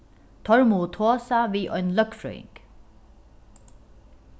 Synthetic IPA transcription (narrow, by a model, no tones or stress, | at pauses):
t̪ʰɔɾmut̪ʰoːsaʋiːʔɔʏnlœkfɾœ̰ʏɪ̰ŋk